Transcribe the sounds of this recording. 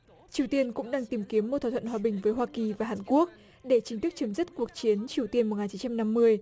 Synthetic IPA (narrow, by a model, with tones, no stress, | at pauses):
t͡ɕi˨˩əwt̪i˧ənkʊ̰˧˥ŋ͡mɗaː˧ŋt̪i˨˩mki˨˦əmːo˨˩t̪̚ʰːaː˧˩t̪ʰə̰˧˨hwaː˧ɓï˨˩ŋ̟vəː˨˦jɦwaː˧ki˨˩vaː˨˩ɦaː˨˩nku˦˥ək̚ | ɗe˧˩t͡ɕi˨˦ŋt̪ɨ˦˥k̚t͡ɕə˨˦mzi˦˥t̚ku˨˩ək̚t͡ɕi˨˦ənt͡ɕi˨˩əwt̪i˧ənmo˨˩t̚ŋaː˨˩t͡ɕi˨˦t͡ɕa˧mna˧mːɨ˧əj